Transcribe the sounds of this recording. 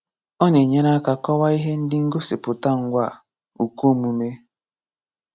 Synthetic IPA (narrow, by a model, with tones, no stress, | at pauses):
ɔ˦ne˨ɲe˦na˦ka˨kɔ˦wa˦i˦ɦe˦n̩˦dɪ˦ŋ̩˦ɡo˦sɪ˨pʊ˨ta˦ŋ̩˦ɡʷa˦˨ | u˨ku˦˨mu˨me˦